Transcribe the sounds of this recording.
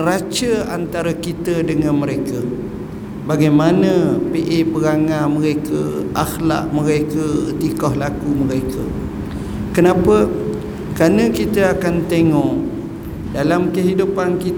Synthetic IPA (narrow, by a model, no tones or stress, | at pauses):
ɾat͡ʃəa̰nt̪aɾakit̪ədəŋãnməɾekə | baɡajmanə̃peʔepəɾaŋãməɾekə̰ʔaxla̰ʔməɾekəət̪ikɔhlakuməɾekʰə | kənãpə | kanə̃kit̪əakant̪eŋɔʔ | dalamkəɦidupanki